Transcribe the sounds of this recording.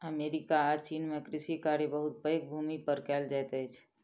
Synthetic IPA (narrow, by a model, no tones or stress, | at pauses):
əmeɾikaːt͡ʃinmekɾɪsikaɾebəɦut̪̚pəjk̚bʱumipəɾkɛld͡ʒat̪əjt͡ʃʰ